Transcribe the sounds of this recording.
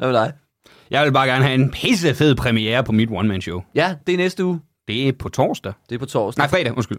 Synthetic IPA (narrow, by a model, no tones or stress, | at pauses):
æʋlɑɪ | jʔɑ̈ɪʋe̝lb̥ɑ̈ːɡ̥æɐnəɦæe̝npʰhes̬əfe̝ð̞̰ˠpʰʁɛmieːɐpʰɒ̽mid̥wɒnmænɕoʊjæd̥e̝nesd̥əuː | d̥e̝æpʰɒ̽t͡sʰɒ̰ːsd̥æd̥e̝ɐpʰɒt͡sʰɒ̰ːnɑ̈ɪ̰fʁɛɾ̥æʔonsɡ̥yl